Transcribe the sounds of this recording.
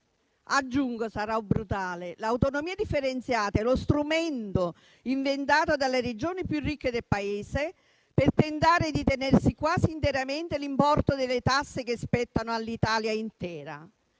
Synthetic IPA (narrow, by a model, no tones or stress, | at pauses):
ad͡ʒːuŋɡosaɾaubɾut̪aːlelawt̪onomiːad̪ifːeɾent̪sjaːt̪aɛlost̪ɾumɛnt̪o | iɱvent̪̬aːt̪od̪alered͡ʒoːnipjurːikːed̪elpaeːse | pert̪ent̪aːɾɪd̪it̪enɛrsikwaːziːnt̪eɾament̪elimpɔrt̪od̪elːɪt̪asːek̟espɛt̪ːanoalːit̪aːljaint̪ɛːɾa̰